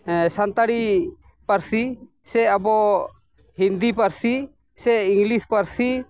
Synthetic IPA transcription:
sant̪aɽi | paɾsi | sɛabɔ | ɦind̪ipaɾsi | sɛiŋɡlispaɾsi

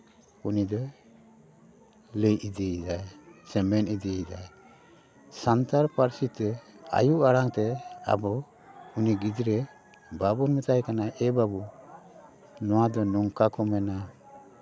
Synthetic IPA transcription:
unid̪ɔ | ləjidiːd͡ʒajsɛmɛnidiid͡ʒaj | sant̪aɾpaɾsit̪ɛa̰juaɽaŋt̪ɛa̰bɔ | uniɡid͡ʒɾɛ | babunmət̪ajkanaʔɛbabu | nɔwad̪ɔnɔŋkakɔmɛna

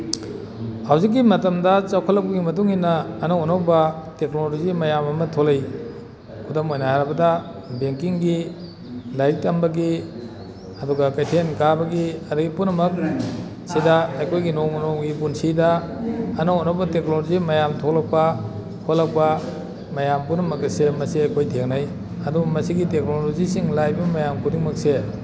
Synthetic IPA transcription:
hawzik̬ːimɐtɐmdɐt͡ʃawkʰɐlːɐk̚pɐɡimɐtuŋinːɐːnɐwonawbɐteknolozimɐjamɐmɐtʰolej | kʰudomojnahaɾɐbɐdɐ | beŋkiŋɡi | lajtɐmbɐɡi | ɐduɡɐkajtʰenkabɐɡiɐduɡipunɐmɐk̚ | sidaɐjkʰojɡinoŋnoŋɡipunsidɐː | nɔotnɐbɐteknolozimɐjamtʰolak̚pɐ | hʰolːɐk̚pɐ | mɐjampunɐmɐk̚ɐsemɐsiɐjkʰojtʰeŋnaj | ɐdubɐmɐsiɡitek̚nolozisiŋlajbɐmajamkʰudiŋmɐk̚se

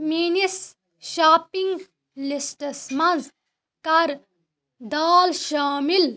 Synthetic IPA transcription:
miːnis | ʃaːpiŋɡ | lisʈɐsmɐnz | kɐɾ | d̪aːlʃaːmil

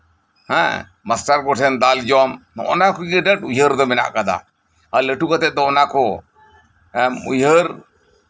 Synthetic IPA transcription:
hɛ̰̃ | masʈaɾɡɔʈʰɛnd̪ald͡ʒɔmnɔ̰ʔnakɔɡiɖəʈujɦəɾd̪ɔmɛna̰ʔkad̪a̰ | aləʈukat̪ɛd̪ɔnakɔ | ṵjəɾ

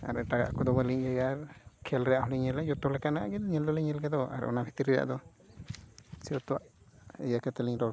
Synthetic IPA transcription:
a̰ɾɛʈaɡa̰ʔkɔd̪ɔbaliɲjajaɾkʰɛlɾɛjaʔhɔliɲɛlɛjɔt̪ɔlɛkanaʔɡɛd̪ɲɛld̪ɔlɛɲɛlkɛd̪ɔa̰ɾ̰ɔ̰nabʱit̪iɾɛja̰ʔd̪ɔ | siɔt̪ɔwa̰ʔ | ɛjakat̪ɛliŋɾɔ

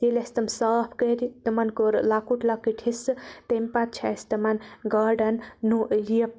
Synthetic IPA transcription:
t̪elʲɐst̪ɐmsaːpʰkəɾit̪ɨmɐnkoɾlakuʈlakːiʈʰisɨt̪empat̪̚t͡ʃʰa̰st̪ɐmɐnɡaɖɐnːujiɐp̚

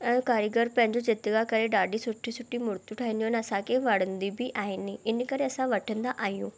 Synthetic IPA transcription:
ɛ̃ːkaːɾjəɡəɾpɐ̃ɦɪ̃ɲd͡ʑod͡ʑɪt̪ɡakɐɾeɖaːɖisʊʈʰisʊʈʰimʊɾt̪uʈʰaːɦĩnd̪iuɦənɐsãkʰeʋɐɽ̤ə̃nd̪ibɪʔaːɦɪnɪ̆ɪnkɐɾeɐsãʋɐʈʰə̃nd̪aʔaːɦijũː

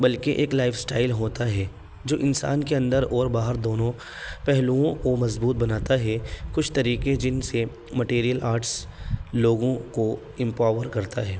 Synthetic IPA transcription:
bɐlkeʔeːklaːɪfsʈaːɪlɦoːt̪aɦɛː | d͡ʒoːʔɪnsa̰ːnkeɐ̃nd̪əɾɔːɾbaːɦəɾd̪oːnõ | pɛɦluõkomɐzbuːt̪̚bɐnaːt̪aɦɛkʊt͡ʃʰt̪ɐɾiːked͡ʒɪnse | mɐʈeːɾijəlaːɾʈsloːɡõko | ɪ̃mpaːʋəɾkɐɾt̪aɦɛː

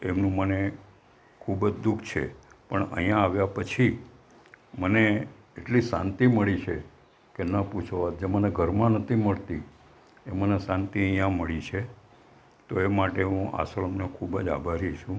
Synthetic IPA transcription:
emnũməne | kʰubd͡ʒd̪ukʰt͡ʃʰḛpəɳə̰jãːʋjapət͡ʃʰi | məne | eʈlisã̰nt̪iməɭit͡ʃʰe | kenəput͡ʃʰoad͡ʒeməneɡʱəɾmãnət̪ʰiməɭt̪i | emənesãnt̪iə̃jãməɭit͡ʃʰe | t̪oemaʈeɦũʔa̰sələmnekʰubəd͡ʒa̰bʱaɾiʃũ

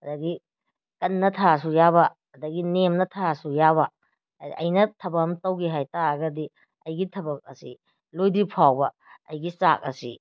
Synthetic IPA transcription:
ɐdɐɡi | kɐnːɐtʰasujabɐ | ɐdɐɡinemnɐtʰasujaβɐ | ɐ̰jnɐtʰɐbɐkhɐmtɐwɡiɦajtaɐɡɐdi | ɐjɡitʰɐbɐk̚ɐ̰sḭ | lojdipʰawbɐ | ɐjɡisa̰k̚ɐ̰sḭ

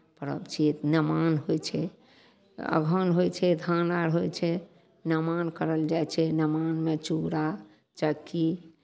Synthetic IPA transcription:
pəɾə̰bt͡ʃʰit̪nəmanɦojt͡ʃʰɛ | ə̰ɡʱənɦojt͡ʃʰɛd̪ʱanaɾɦojt͡ʃʰɛ | nəmankəɾəld͡ʒajt͡ʃʰɛnəmanmet͡ʃuɾa | t͡ʃəkːi

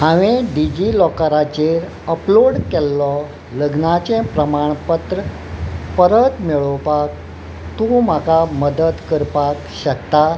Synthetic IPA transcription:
ɦãʋẽɖid͡ʑilɔkəɾat͡ɕeɾ | əploɽkɛlːɔ | ləɡnat͡ɕẽpɾəmaɳpət̪ɾə | pəɾət̪miɭəwpak̚ | t̪ũmakaməd̪ət̪kəɾpakɕək̚t̪a

